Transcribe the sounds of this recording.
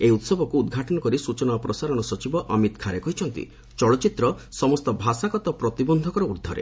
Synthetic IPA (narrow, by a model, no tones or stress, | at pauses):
eut̪sɔbʱɔkuːd̪ɡʱaʈɔnɔkɔɾisut͡ʃɔnapɾɔsaɾɔɽ̃ɔsɔt͡ʃibɔʔɔmit̪kʰaɾekɔɦit͡ʃʰɔnt̪ḭ | t͡ʃɔɭɔt͡ʃit̪ɾɔsɔmɔst̪ɔbʱasakɔt̪ɔpɾɔt̪ibɔnd̪ʱɔkɔɾɔud̪ʱɔɾḛ